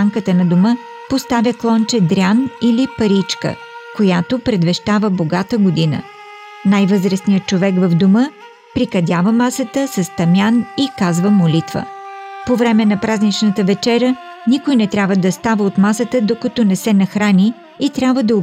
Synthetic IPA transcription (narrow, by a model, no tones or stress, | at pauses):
aŋkət̪ənɐd̪omə | post̪avʲjəklˠɔnt͡ʃɛd̪ɾʲanilipɐɾit͡ʃkə̰ | kojat̪opɾɛd̪vɛʃt̪avəboɡat̪əɡod̪inə̰ | najvɤzɾəsnijət̪̚t͡ʃovɛɡvəvd̪omə | pɾikɐd̪ʲavəmasət̪əsɐst̪ɐmjanikazvəmolit̪və̰povɾɛmɛnɐpɾaznit͡ʃnət̪əvɛt͡ʃɛɾʲə | nikojnɛt̪ɾʲjabvəd̪ɐst̪avəot̪masət̪əd̪okɐt̪onɛsɛnɐxɾanʲiː | t̪ɾʲjabvəd̪ɐ